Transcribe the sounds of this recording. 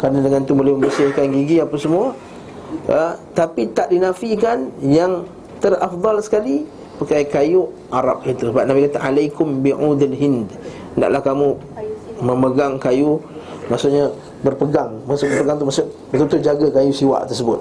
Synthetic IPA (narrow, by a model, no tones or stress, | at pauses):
kanədəŋant̪ubolɛhmə̃mbərsɪhkanɡiɡiapasəmua | ət̪apit̪aʔdinafikanjaŋ | t̪ərafd̪ˤɑlsə̥kali | pakajkaju | ʔaɾɑ̰p̚it̪usəbap̚nabikat̪aʔalajkʊmbiʕud̪alɦɪnd̪ | nda̰ʔlahkamũ | mə̃məɡaŋkaju | masʊʔɲa | bərpəɡaŋmasʊʔbəpəɡaŋt̪umasʊʔbət̪ut̪ʊd͡ʒaɡəkajusiwa̰ʔt̪ərsəbʊt̪̚